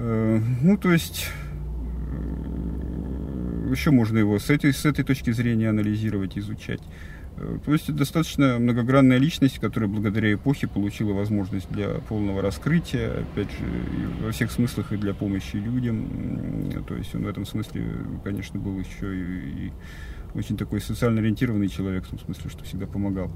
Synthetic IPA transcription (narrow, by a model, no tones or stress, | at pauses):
ənut̪o̞ɪsʲtʲ | jɪɕːomoʐnəjɪvo̞sɛt̪əsɛt̪əjt̪o̞t͡ɕkʲɪzɾʲenʲɪjəɐnəlʲɪzʲiɾəvətʲɪɪzʊt͡ɕæ̰tʲ | t̪o̞ɪsʲtʲɛt̪əd̪ɐst̪at̪ə̥t͡ɕnəmnəɡɐɡɾanːəjəlʲit͡ɕnəsʲtʲkɐt̪o̞ɾəjəblˠəɡəd̪ɐɾʲæɪpo̞xʲɪpəlˠʊt͡ɕilˠəvɐzmo̞ʐnəsʲt̚ʲd̪lʲɐ̰po̞lˠnəvəɾɐskɾɨtʲɪjəɐ̰pʲædʲʐɨ̰ḭvɐfsʲe̞xsmɨsʲlʲˠəxɨd̪lʲɐpo̞məɕːɪlʲudʲəm | t̪o̞̰ɪ̰sʲtʲo̰nvɛt̪əmsmɨsʲlʲɪ̰kɐnʲe̞ʂnəbɨlˠɪɕːoiḭ | ot͡ɕɪnʲt̪ɐko̞jsət̪sɨalnəɐɾʲɪnʲtʲiɾəvənɨjt͡ɕɪlˠɐvʲe̞kft̪o̞msmɨsʲlʲɪʂt̪o̞̥fsʲɪɡd̪apəmɐɡalˠ